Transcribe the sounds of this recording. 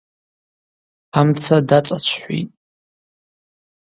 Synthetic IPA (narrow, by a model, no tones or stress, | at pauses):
amt͡sʰadat͡sʼat͡ʃʷʰħʷḭtʼ